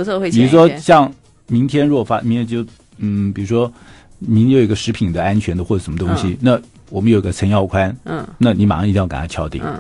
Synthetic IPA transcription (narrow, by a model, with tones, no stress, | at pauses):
wpi˨˩u˧˥ʂwɔ˥ɕjɑ˥˩ŋ | mi˧˥ŋt̪ʰjɛ˥nɻu˧˥˨fa˥i˧˥ɛ˥t͡ɕjo˥˩ʊ | n̩˥˩pi˨˩ɻu˧˥ʂwɔ˥ | mi˧˥nt̪ɡə˧ʂɻ̩˧˥pʰi˨˩nd̪ə˦a˥nt͡ɕʰɥɛ˧˥nd̪əxwɔ˥˩ʈ͡ʂʂə˧˥mə˧t̪ʊ˥ŋɕi˨na˥˩ | wɔ˨˩mə˦jo˨˩ḭ˧˥ɡə˧t͡sʰə˧˥njɑ˥˧ʊkʰwa˥n̩˥˧˩na˥˩ni˧˥ma̰˨˩˥i˧˥˩ka̰˨˩nʰa˥t͡ɕʰjɑ˥ʊt̪ḭ˨˩˦ŋ